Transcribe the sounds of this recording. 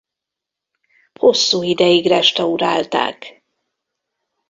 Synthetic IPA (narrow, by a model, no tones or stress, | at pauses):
ho̞sːuːid̪ɛjiɡrɛʃt̪ɛuɾa̰ːlt̪a̰ːk